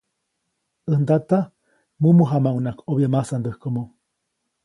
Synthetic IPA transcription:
ənd̪at̪a | mumuɦamaunakʰoβiemasand̪əhkomo

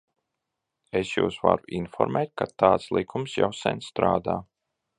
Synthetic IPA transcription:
esjṵwsva̰ɾuʔinfɔ̰ɾmɛːt̪̚kat̪aːt̪slˠikʰumsja̰wsɛ̰nst̪ɾaːd̪aː

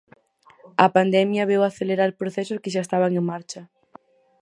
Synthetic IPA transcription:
ɐpand̪ɛmjɐβewaθeleɾaɾpɾoθɛsʊskɪʃaest̪aβ̞aŋẽŋmaɾt͡ʃɐ

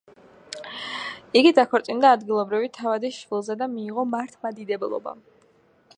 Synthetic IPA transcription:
iɡid̪akʰɔɾt̪sʼind̪aːd̪ɡilˠɔbɾivit̪ʰavad̪iʃvilˠzɛd̪amiːʁɔmaɾt̪ʰmad̪id̪ɛbɛlˠɔ̰ba̰

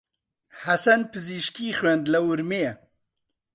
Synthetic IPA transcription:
hɐsɐnpɨziʃkiːxwend̪lɐwʊɾmeː

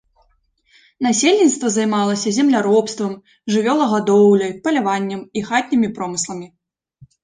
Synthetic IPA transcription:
nasʲelʲnʲit̪st̪vɐzajmalˠɐsʲɐzʲɛmlʲaɾɔpst̪vɐm | ʐɨvʲɔlˠɐɣad̪ɔwlʲɐjpɐlʲavanʲːɐmixat̪ʲnʲimʲipɾɔmɨslˠɐmʲi

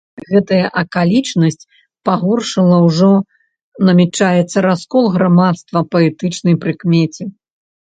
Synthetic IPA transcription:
ɣɛt̪ɐjɐʔɐkalʲit͡ʂnɐsʲt͡sʲ | paɣɔrʂɨlˠɐwʐɔ | nɐmʲɛt͡ʂajɛt̪sːɐɾaskɔlˠɣɾamat̪st̪vɐpɐɛt̪ɨt͡ʂnɐjpɾɨkmʲɛt͡sʲi

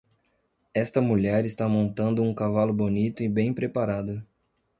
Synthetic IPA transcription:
ɛst̪ɐmuʎɛɾɪst̪amõnt̪ɐ̃nd̪ʊũkavalʊbonit̪ʊɪbẽj̃pɾepaɾad̪ʊ

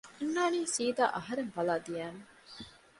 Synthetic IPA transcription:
enːaːniːsiːd̪a̰ːʔɐɦɐɾeŋbɐlaːd̪ijæːne

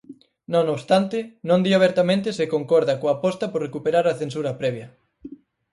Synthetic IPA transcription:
nõnoβst̪ant̪ɪnõnd̪iaβ̞eɾt̪amẽnt̪ɪsekoŋkɔɾðakoapɔst̪ɐpoɾrekupeɾaɾaθensuɾɐpɾɛβjɐ

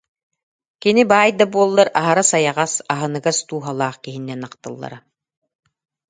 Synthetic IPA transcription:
kinibaːjd̪abuɔlˠːaɾaɦaɾasajaʁasaɦɯnɯɡast̪uːɦalˠaːχkiɦinːɛnaqt̪ɯ̰lˠːa̰ɾa

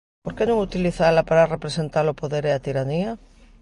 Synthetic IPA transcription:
poɾkenõŋut̪iliθaelapaɾarepɾesent̪alopoðeɾeat̪iɾania

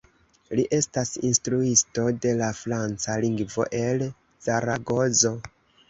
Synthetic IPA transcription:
liʔe̞stasinstɾuisto̞de̞lafɾant͡saliŋɡvo̞̰ʔe̞l | saɾaɡo̞zo̞

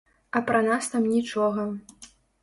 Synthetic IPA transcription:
ɐpɾɐnast̪amnʲit͡ʂɔɣɐ

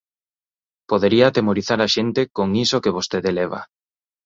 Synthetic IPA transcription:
poðeɾiaːt̪emoɾiθaɾaʃent̪ekoŋisokeβost̪eðeleβ̞a̰

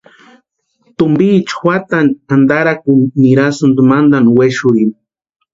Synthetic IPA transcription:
t̪ʊmbiːt͡ʃwʷat̪anand̪aɾakuniɾasund̪umand̪anweʃʊɾin

